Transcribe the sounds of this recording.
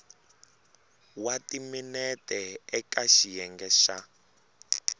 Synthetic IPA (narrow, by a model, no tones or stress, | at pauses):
watiminɛtɛɛkaʃijɛŋɡɛʃa